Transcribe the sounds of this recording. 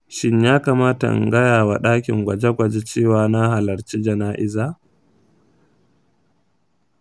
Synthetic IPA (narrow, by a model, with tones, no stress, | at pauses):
ʃɪ˦ɲjaː˦kaː˨maː˦ta̰˨ŋɡɐ˦jaː˨wa˨ɗaː˦kʲɪ̰˨ŋɡʷɐ˨d͡ʒɛ˦ɡʷɐ˨d͡ʒe˦t͡ʃeː˦˨waː˨na˦ha˨lɐ˨rt͡ʃi˦d͡ʒɐ˨naː˦ʔɪ˦zaː˦˨